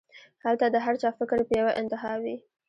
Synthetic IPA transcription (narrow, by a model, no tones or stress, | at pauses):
halt̪ad̪əɦaɾt͡ʃɑfɪkɾpəjawaʔɪnt̪ɪɦɑwi